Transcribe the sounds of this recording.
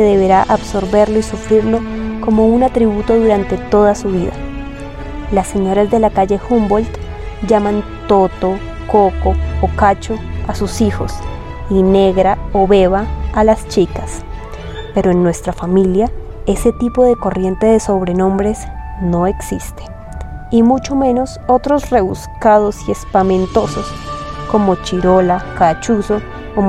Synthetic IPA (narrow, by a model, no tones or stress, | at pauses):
eðe̞βe̞ɾaʔaβso̞ɾbe̞ɾlo̞isufɾiɾlo̞ko̞mo̞unat̪ɾiβut̪o̞ðuɾant̪e̞t̪o̞ðasuβiða̰ | lasːe̞ɲo̞ɾazd̪e̞lakaʝe̞xumbo̞lt̪ | d͡ʒaman | t̪o̞t̪o̞ | koko̞okat͡ʃo̞asusixo̞̰s | ine̞ɣɾaoβe̞βaːlast͡ʃikas | pe̞ɾoenːwe̞st̪ɾafamilja | e̞se̞t̪ipo̞ðe̞ko̞rje̞nt̪e̞ðe̞so̞βɾe̞nõ̞mbɾe̞sno̞e̞ksist̪e̥ | imut͡ʃo̞me̞no̞so̞t̪ɾo̞sre̞βuskað̞o̞sie̞spamẽ̞nt̪o̞so̞sko̞mo̞t͡ʃiɾo̞lakat͡ʃuso̞ː